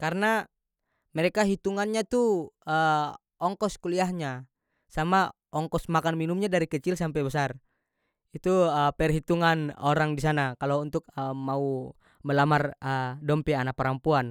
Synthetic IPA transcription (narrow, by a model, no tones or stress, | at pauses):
kaɾna | mɛɾɛkaɦit̪uŋanɲat̪uə | ɔŋkɔskuliaɦɲa | sama | ɔŋkɔsmakanminumɲadaɾikət͡ʃilsampɛjbəsar | it̪uəpɛrɦit̪uŋanoɾaŋdisanakalount̪ʊk̚əmau | məlamarədɔmpianak̚pəɾampuan